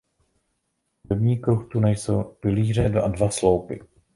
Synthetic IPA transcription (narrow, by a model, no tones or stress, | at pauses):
dobɲiːkɾuxt̪unɛjsowpɪliːr̝ɛdadvaslo̞wpɪ̰